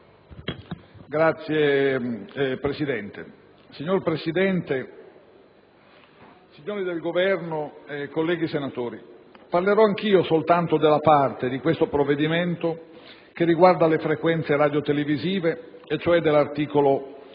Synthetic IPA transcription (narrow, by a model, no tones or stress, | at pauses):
ɡɾat̪sːje | pɾesid̪ɛnt̪ḛ | siɲːorpɾesid̪ɛnt̪e | siɲːoːɾid̪elɡovɛrnoekːolːɛːɡisenat̪oːɾiparleɾɔaŋk̟iːosolt̪ant̪od̪elːapart̪ed̪ikwest̪opɾovːed̪iment̪o | k̟erːiɡward̪alefɾekwɛnt̪seɾaːd̪jot̪eleviziːveːt͡ʃːoɛd̪ːelːart̪iːkolo